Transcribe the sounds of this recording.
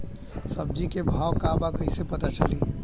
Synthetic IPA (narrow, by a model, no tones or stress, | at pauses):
səb̚d͡ʒikebʱawkabakəɪsepət̪at͡ʃʰə̰li